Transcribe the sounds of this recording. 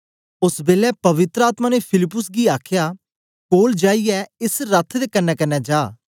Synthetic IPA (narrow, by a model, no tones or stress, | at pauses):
ʊsbeːlɛːpəʋɪt̪ɾəaːt̪mãːnepʰɪlɪpːʊsɡiːaːkʰjaː | koːld͡ʒaːiɛɪsɾət̪ʰd̪eːkənːɛːkənːɛːd͡ʒaː